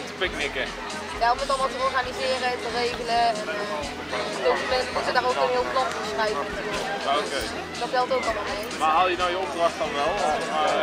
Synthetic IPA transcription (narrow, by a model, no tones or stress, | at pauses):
təpɪknɪkə | jaɔmətɑlˠmaːlˠtəɔɹχanizɪːrətərejχələɛnə | towfəmɛntɪzədaːɾowkənɦɪːlˠplɑtɔstrɛjvənatyːrək | okej | d̥ɑtbɛlˠtowkɑlˠmaːlˠmejmaɦalˠjənawjəɔp̚drɑχtɑnʋɛlˠma